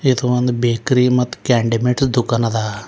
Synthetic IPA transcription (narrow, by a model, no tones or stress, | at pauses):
id̪uɐnd̪ubeːkɾimɐt̪ːu̥kaːɳɖimeʈsd̪ukːɐnɐd̪aː